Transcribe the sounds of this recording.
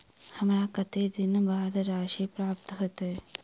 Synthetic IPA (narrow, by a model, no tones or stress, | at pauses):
hɐmɾaːkɐt̪eːd̪inɐbaːd̪ɐɾaːʃiːpɾaːp̚t̪ɐɦɐt̪e